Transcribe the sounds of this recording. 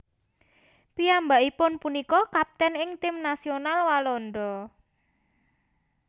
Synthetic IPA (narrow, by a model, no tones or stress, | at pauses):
piambaʔipʊnpunikɔkap̚t̪ɛnɪŋt̪ɪmnasionalwalɔnɖɔ